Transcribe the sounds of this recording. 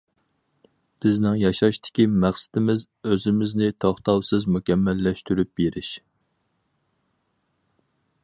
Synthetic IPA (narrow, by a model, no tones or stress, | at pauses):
b̥ɪznɪŋjɑʃɑʃt̪ʰɪ̥kʲimæχsɪ̥t̪ɪmɪz | øzɪmɪznɪt̪ʰɑχt̪ɑwsɨzmukʲɛmːɛlːɛʃt̪yɾyp̚beɾɪʃ